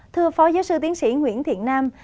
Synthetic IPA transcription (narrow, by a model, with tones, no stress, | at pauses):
t̪ʰɨ˧əfɔ˨˦zaː˨˦wsɨ˧t̪i˨˦ənsḭ˧˩ŋwḭ˧˥ənt̪ʰḭ˧˩ənːaː˧m